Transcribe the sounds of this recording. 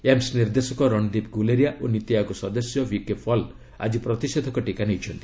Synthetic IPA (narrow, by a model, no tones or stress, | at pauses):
emsniɾd̪esɔkɔɾɔɳd̪ipɡuleɾijaʔonit̪iakusɔd̪ɔsjɔbikepʰɔl | a̰d͡ʒipɾɔt̪ised̪ʱɔkɔʈikanejt͡ʃʰɔnt̪i̥